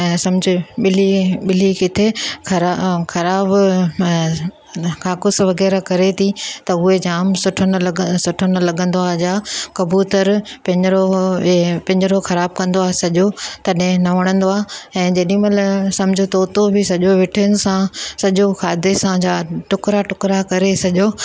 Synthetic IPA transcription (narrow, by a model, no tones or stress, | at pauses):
sɐ̃md͡ʑʱɪɓɪliɓɪlikɪt̪ʰekɐɾaxɐɾaːb | kaːkʊsʋɐɣɛːɾakɐɾet̪ʰit̪ɐʊɦed͡ʑaːmsʊʈʰənlsʊʈʰənʊ̆lɐɠə̃nd̪oaːɦed͡ʑaːkɐbuːt̪əɾpɐ̃ɲɾo | pɐ̃ɲd͡ʑɪɾoxɐɾaːb̚kɐ̃nd̪oaːɦesɐʄot̪ɐɗɦɪ̃nɐʋɐɽ̃ə̃nd̪oaːɦeɛ̃ːd͡ʑɐɗĩmɐlsɐ̃mɪd͡ʑʱot̪ɐʊt̪obʱɪsɐʄoʋɪʈʰɪənɪ̆sãsɐʄoxʰaːd̪esãd͡ʑaːʈʊkɾaʈʊkɾakɐɾesɐʄoː